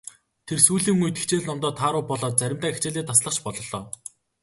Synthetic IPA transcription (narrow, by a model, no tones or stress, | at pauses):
t̪ʰersuːɮiːŋujt̪i̥xʰt͡ɕeːɮnɔmt̪ɔːt̪ʰaːɾʊːpɔɮɔːt̪̚t͡sæɾʲɪ̆mt̪aːext͡ɕeːɮiːt̪ʰasɮə̆χt͡ɕpɔɮɞ̆ɮɔː